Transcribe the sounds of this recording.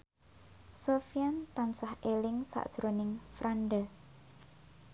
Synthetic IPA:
sofiant̪ansahelɪŋsa̰ʔd̥ʒ̥ɾonɪŋfɾʔanɖə

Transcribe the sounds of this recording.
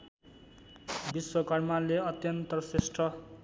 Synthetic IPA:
biswʌkʌrmanleʌt̪jʌnt̪ʌsesʈʰʌ

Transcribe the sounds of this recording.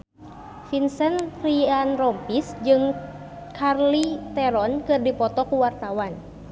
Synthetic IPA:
finsɛnrianrɔmpisd͡ʒɨŋ | kʰarlit̪ɛɾɔnkɨrdipɔt̪ɔkuwart̪awan

